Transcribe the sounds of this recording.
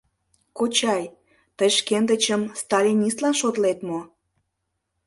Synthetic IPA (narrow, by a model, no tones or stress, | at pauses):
kot͡ɕɑj | t̪əjʃkend̪ət͡ɕəmst̪ɑlʲinʲist̪lɑnʃot̪let̪mo